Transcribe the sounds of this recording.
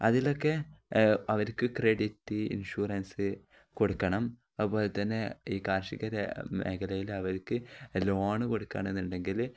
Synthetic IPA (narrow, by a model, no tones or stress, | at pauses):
ɐðilo̞kːe̞ | ɐʋɐɾkɨkreɽitːɨḭnʂuːrɐnsɨ | ko̞ɽukːɐɳɐm | ɐðɨpːo̞ːlet̪ːɐnːeiːkaːɾʂiɣɐɾɐmʔḛɣɐlɐjilɐʋɐɾkːɨloːɳɨko̞ɽukːa̰ːɳenːuɳɖe̞ŋɡil